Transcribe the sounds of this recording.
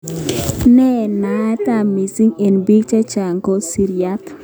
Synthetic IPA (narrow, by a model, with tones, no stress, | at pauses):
nɛ˦˨na˨˦ɛ˦ta˦˨mi˨si˦ŋe˨nbi˦k̚t͡ʃa˦t͡ʃa˨ŋɡo˦si˨ɾi˨a˦t̪